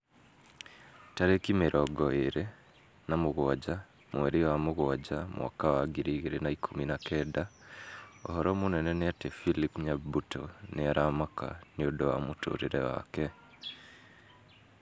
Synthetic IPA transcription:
taɾeːkimeɾʔoɡoeɾe | namuɣwaɟa | mweɾiwamuɣwaɟamwʔa̰kawaɡiɾiːɣeɾenaikʰuminakeda | ohoɾomuneneneatefilipɲabutʰo̰neaɾamaka̰niodowa̰muto̰ɾiɾḛwa̰ke

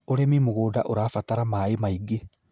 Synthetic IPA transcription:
oɾemimoɣoːdaʔoɾaːfataɾamaemaiɡe

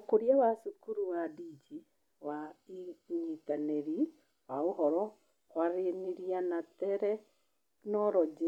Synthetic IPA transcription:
koɾiawasukuɾuwadid͡ʒi | waiitaneɾi | waoɦɔɾɔ | waɾeniɾianatɛɾɛ | nɔɾɔd͡ʒe

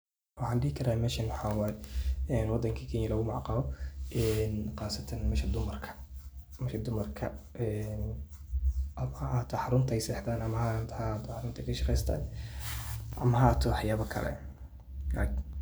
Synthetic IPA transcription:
wɑħɑːnɖɪhɪkʰɐɾaːmɛːʃɐnwħaːwɑɛɛːnwɑd̪ːɐŋkʰɐkʰɛːɲːɐlɐɣʊmɑʕqɑlɔʔɛnqɑːsɐt̪ʰɐnmɛːʃɐd̪ʊmɐrkʰɐ̥ | mɛʃɐd̪ʊmɐrkʰɐ̰ | ɛn | ʔɐmaːt̪ʰħɑɾʊnt̪ʰɐɛjsɛːħd̪aːnɐmɐhat̪ʰht̪ħɑɾʊnt̪ʰɐkʰɐʃɑqɛjst̪ʰa̰ːn | ʔɐmɐɦaːt̪ʰɔħjaːβɐkʰɐ̰lɛ̰ | laːk

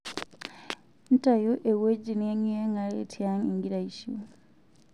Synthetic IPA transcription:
ntajoʔeweɟineɲeŋɡalḛtʰjaŋiŋɡiɾaiʃu

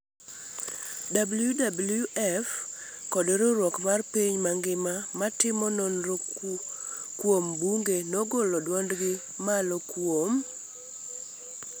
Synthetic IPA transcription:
dabljudabuljuʔɛf | kɔdɾɔɾwɔkmarpiɲmaŋɡɪmamatɪmɔnɔnɾ | kwombuŋɡenɔɡolɔdwɔndɡɪ | malɔkwom

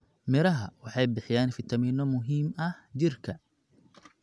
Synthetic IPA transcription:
mɪɾɐɦɐwɑħɑjbɪħɪjaːnfɪt̪ʰɐmiːnɔmʊɦiːmɐht͡ʃɪrkʰɐ

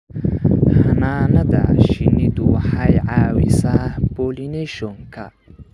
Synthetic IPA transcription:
hɐnaːnɐðɐ̰ʃɪnɪd̪ʊwɑħɑjʕɑːwɪ̰saːb̥ɔːlinɛʃɔŋkʰɐ̰

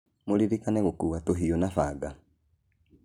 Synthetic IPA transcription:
moliɾikanɛɣokuwatoɦionafaɡa

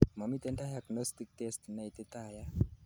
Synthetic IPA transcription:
mamit̪eɳʈ̪aɦjaknəst̪ik̚t̪esʈ̪najt̪et̪aɦja

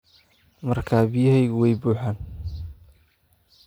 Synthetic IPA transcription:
mɐrkʰaːbɪjɐɦɛjɣʊwɛjbuːħaːn

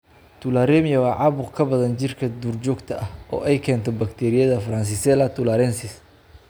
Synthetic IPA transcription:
t̪ʰʊlaɾɛmɪjɐwɑːʕɑβʊqkʰɐbɐðɐnt͡ʃɪrkʰɐd̪uːrt͡ʃɔːɡt̪ʰɐʔɐhʔɔ̰ːʔɛjkʰɛːnt̪ʰɔbɐkt̪ʰɛːɾɪjɐðɐfɐɾɐns̬ɪsɛlɐt̪ʰʊlaɾɛnsɪs

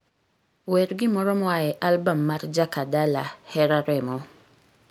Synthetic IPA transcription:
wɛɾɡimɔɾɔmɔwajɛʔalbamːaɾd͡ʒakadalahɛɾaɾɛmɔ

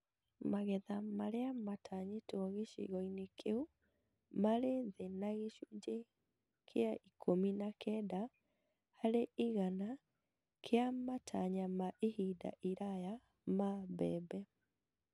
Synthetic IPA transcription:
maɣɛðamaɾeamatʰaɲetoɔɣeʃḭɣɔinekʰeu | maɾeðenaɣeʃud͡ʒe | kʰeaikʰominakʰɛda | haɾeʔiɣana | kʰeamatʰaɲamaʔihida̰ʔiɾaja | maβɛbɛ

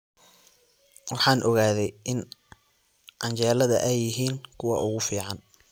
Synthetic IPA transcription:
wɑħɑːnʔɔɣaːðɛjʔɪn | ʕɑnt͡ʃɛːlɐðɐ̰ʔɛjːɪɦiːŋkʰʊwɑʔʊɣʊfiːʕɑn

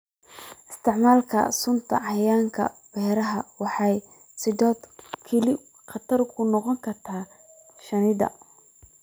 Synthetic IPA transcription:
ʔɪst̪ʰɪʕmaːlkʰɐ̰sʊnt̪ʰɐ̰ɑjaːŋkʰɐ̰b̥ɛːɾɐɦɐwɑħɑj | sɪdɔːd̪kʰɛlɪ | qɑt̪ʰɐrkʰʊnɔqɔŋkʰɐrt̪ʰaː | ʃɐnɪðɐ̰

